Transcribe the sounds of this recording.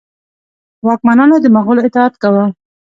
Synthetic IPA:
wɑk̚manɑnod̪əmaɣʊloɪt̪ɪat̪kawa

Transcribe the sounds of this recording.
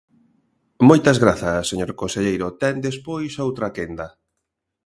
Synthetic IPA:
mojt̪ɐzɣɾaθɐseɲoɾkonseʎejɾot̪ɛnd̪espojsowt̪ɾakend̪ɐ

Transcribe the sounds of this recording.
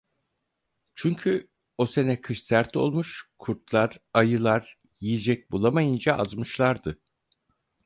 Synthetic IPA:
t͡ʃʰyɲcʰy | ose̞nɛkʰɯʃsæɾt̪ʰo̞̰lˠmuʃkʰuɾt̪lˠaɾ̥ajɯlˠaɾ̥ | jijid͡ʒɛc̚bulˠamajɯnd͡ʒaʔa̰zmɯʃlˠaɾd̪ɯ

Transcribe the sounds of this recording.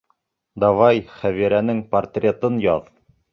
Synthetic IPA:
d̪ɑvɑjχæβiɾænɘŋpɐrt̪rʲet̪ɤnjɒð

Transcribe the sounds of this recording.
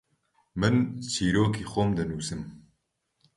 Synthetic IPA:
mɨnt͡ʃʰiːɾoːkʰiːxomd̪ɨnuːsɨm

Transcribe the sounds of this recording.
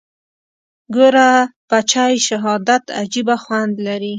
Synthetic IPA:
ɡoɾapat͡ʃɑjʃaɦɑd̪at̪a̰d͡ʒibaxwand̪laɾi

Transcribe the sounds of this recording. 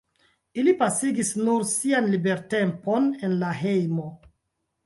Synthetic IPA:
ilipasiɡisnuɾsianlibe̞ɾte̞mpo̞ne̞nlaɦe̞jmo̞

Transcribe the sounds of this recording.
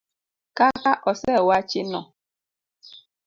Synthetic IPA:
kakaʔɔsɛwat͡ʃenɔ̰

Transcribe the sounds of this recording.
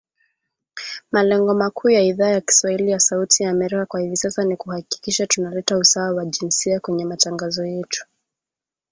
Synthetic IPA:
malɛŋɡɔmakʰuːjaiðaːjaki̥swahilijasautijaːmɛɾikakwahivisasanikuhaki̥kiʃatunalɛtausaawaʄinsiakwɛɲɛmataŋɡazɔjɛtu̥

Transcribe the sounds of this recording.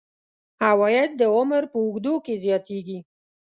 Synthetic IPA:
awɑjad̪̚ːəʊmɾpəʊɡd̪okezjɑt̪eɡi

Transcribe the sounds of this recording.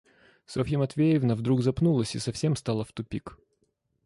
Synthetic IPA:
sofʲimɐt̪vʲejɪvnəvd̪ɾuɡzɐpnulˠəsʲisɐfsʲe̞mst̪alˠəft̪ʊpʲik

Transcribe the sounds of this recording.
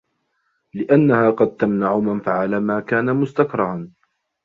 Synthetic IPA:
lɪʔanːahaːqɑd̪̚t̪amnaʕʊmanfaʕalaːmaːkaːnamʊst̪akɾˤɑhan

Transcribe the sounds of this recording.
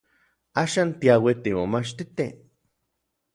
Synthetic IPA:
aːʃaːnt̪iawit̪imomat͡ʃt̪it̪ḛ

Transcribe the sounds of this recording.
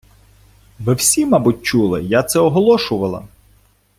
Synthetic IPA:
ʋɪwsʲimɑbʊt̚ʲt͡ʃulˠɪ̰jat̪sɛɔɦɔlˠɔʃʊʋɐlˠɐ̰

